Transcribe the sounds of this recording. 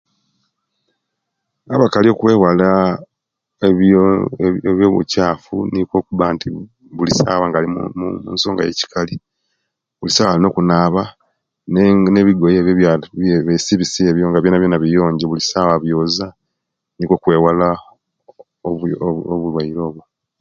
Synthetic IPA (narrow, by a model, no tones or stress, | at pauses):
aβakalio̞kwe̞ːwala | e | eβjoβṵcaːfunikwo̞ːkuβaːntʰi | βulisaːβwaːŋɡaːliumṵːnso̞ːŋɡa̰jḛci̥kʰali | βulisaːwaːlino̞ːkunaːβa | nneβiɡo̞jeβjeββesiβisieβjoŋɡaβjeːnaβjeːnaβijo̞ːɲɟeβulisaβaβjo̞ːza | nikwo̞ːkwe̞ːwala | ooβulwaiɾo̞ːβwo